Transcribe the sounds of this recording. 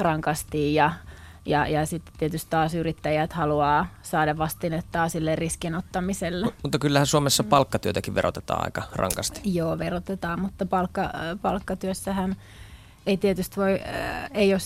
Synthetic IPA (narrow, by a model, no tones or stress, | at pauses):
rɑŋkɑst̪iːjɑ | jɑjɑsit̪ːe̥t̪ːiet̪yst̪t̪ɑːsyrit̪ːæjæt̪hɑluɑːsɑːdɑʋɑst̪inet̪ːɑːsilːerriskinot̪ːɑmiselːemut̪ːɑkylːæhæsuomesːɑpɑlkːɑt̪yøt̪ækiʋʋeɾo̰t̪e̥t̪ɑ̰ːɑ̰ikɑrɑ̰ŋkɑst̪i̥joːʋerot̪et̪ɑːmmut̪ːɑpɑlkːɑpɑlkːɑt̪yøsːæhæn | eit̪iet̪yst̪ʋoieios